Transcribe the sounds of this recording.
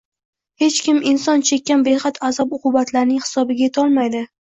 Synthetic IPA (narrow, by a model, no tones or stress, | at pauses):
he̞t͡ʃkʲɪmɪnsɒnt͡ʃʰe̞kʲːanbe̞χɑt̪ʰazɒbʊqʰʊbat̪ʰlaɾnɪŋhɪ̥sɒbɪɡʲajet̪ʰɒlˠmajd̪ɪ